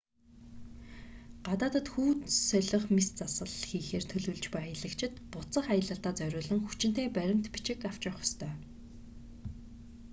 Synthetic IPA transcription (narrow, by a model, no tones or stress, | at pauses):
ɢ̥at̪aːt̪ə̆t̪xuːt̪sœɮə̆χmist͡sasə̆ɮxiːxeːrt̪ʰɵɮŭːɮt͡ɕpæːɪɮə̆kt͡ɕʰɪ̆t̪pʊt͡sə̆χajə̆ɮə̆ɬt̪aːt͡sœɾʲʊːɮə̆ŋxut͡ɕɪ̥̆t̪eːpæɾʲɪ̆m̥t̪pit͡ɕɪ̆kaw̥t͡ɕɪ̆χɔ̥st̪ʰœː